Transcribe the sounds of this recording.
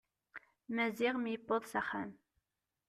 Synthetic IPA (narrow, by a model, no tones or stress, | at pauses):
mæziʁmjəbːoðˤsæχæ̰m